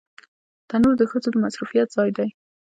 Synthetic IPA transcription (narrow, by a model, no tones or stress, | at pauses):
t̪anuɾd̪əxəzod̪əmasɾufijat̪z̥ɑjd̪aj